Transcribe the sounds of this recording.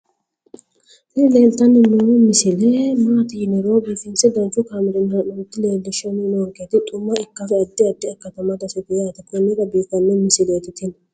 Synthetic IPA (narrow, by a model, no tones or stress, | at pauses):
nɪleːlt̪ːɐnːɪnomɪsɪlɛmaːt̪ɪɪnɛɾoːbiːfɪnsɛd̪ɐnt͡ʃːʊkaːmɪɾɪnɐnɔnɪt̪ːɪleːld̪ɪʃɐnɪnoɔɾkeːt̪ɪt̪ʼʊmːɐɪkːɐfɛɐd̪ːɪɐd̪ːɪɐkːɐt̪ɐmɐd̪ɐsɛɡ̪ʊjaːt̪ɐkɔnːɪkɐbiːkɐnːɛmɪsɪleːt̪ɪt̪ɪn